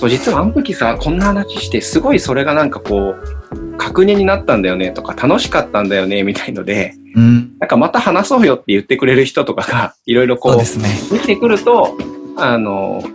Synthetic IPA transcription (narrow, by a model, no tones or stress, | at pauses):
so̞ːd͡ʑit͡sɨβaːnot̪o̞kʲisakõ̞nːahanaɕi̥ɕi̥t̪e̞sɨɡo̞iso̞ɾe̞ɡanãŋkako̞ː | kʰakɯ̟ɲ̟ẽɲ̟inat̪ːãnd̪ajo̞ne̞t̪o̞̥kat̪ano̞ɕi̥kat̪ːãnd̪ajo̞ne̞mʲit̪aino̞̰d̪e̞ | nãŋkamat̪ahanaso̞ːjo̞t̪ːe̞jɯ̟t̪ːe̞kɯ̟ɾe̞ɾɯ̟çi̥t̪o̞t̪o̞kaɡ̥aiɾo̞iɾo̞koːesned̪e̞kʲi̥t̪ekɯ̟ɾɯ̟t̪o̞ano̞̰